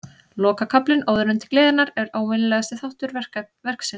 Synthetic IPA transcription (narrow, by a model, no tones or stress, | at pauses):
lɔːkakʰaplɪnʔoːwðʏɾʏnt̪ɪ̥kleːðɪɾnaɾɛɾaːwmɪnɪlɛːɣast̪ɪθawht̪ʏɾɛ̥ | vɛr̥ksɪn